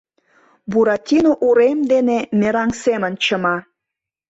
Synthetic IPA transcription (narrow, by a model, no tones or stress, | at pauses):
buɾat̪ʲinoʔuɾemd̪enemeɾɑŋsemə̆nt͡ɕəmɑ